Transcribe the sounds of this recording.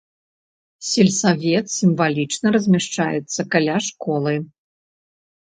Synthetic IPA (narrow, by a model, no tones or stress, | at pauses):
sʲɛlʲsavʲɛt̪sʲimvalʲit͡ʂnɐɾɐzʲmʲaʂt͡ʂa̰jɛ̰t̪sːɐkalʲaʂkɔlˠɨ